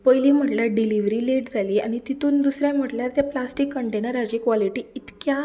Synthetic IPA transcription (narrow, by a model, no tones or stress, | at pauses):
pəjlim̤əʈljaɖiliʋɾiːleʈd͡zʱaliːa̰ñit̪it̪uːnd̪usɾjam̤əʈljaɾt̪japlasʈikːəɳʈenəɾad͡ʑikʋaliʈiːit̪kja